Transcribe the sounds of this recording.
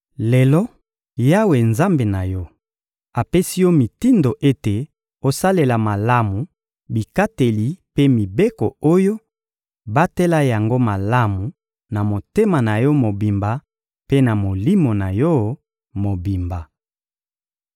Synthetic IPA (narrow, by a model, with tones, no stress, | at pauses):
le˨lɔ˦ | ja˦we˨nza˦mbe˨na˨jɔ˦ | a˨pe˦si˦jɔ˦mi˨ti˦ndo˨ʔe˦te˨ | o˨sa˦le˨la˨ma˨la˦mu˨ | bi˨ka˦te˨li˨pe˦mi˨be˦ko̰˨o˦jo˦ | ba˦te˦la˦ja˨ŋɡo˦ma˨la˦mu˨ | na˨mo˨te˦ma˨na˨jɔ˦mo˨bi˨mba˨ | pe˦na˨mo˨li˦mo˨na˨jɔ˦ | mo˨bi˨mba˨